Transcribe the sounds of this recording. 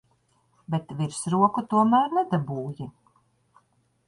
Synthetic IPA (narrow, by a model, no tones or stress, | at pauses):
bet̪viɾsɾuɔkut̪uɔmæːɾnɛd̪abuːji